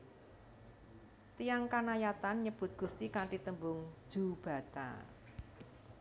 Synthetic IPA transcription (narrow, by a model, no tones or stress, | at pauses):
t̪ijaŋkanajat̪anɲəb̥ʊ̤t̪̚ɡ̥ṳst̪ikaɳʈit̪əmbʊŋ̥d͡ʒ̥ub̥ä̤t̪a̰